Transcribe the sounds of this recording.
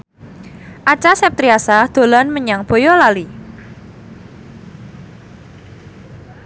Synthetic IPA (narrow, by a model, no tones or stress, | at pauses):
ʔat͡ʃasɛp̚t̪ɾiasad̪̥o̤lanməɲaŋb̥o̤jɔlali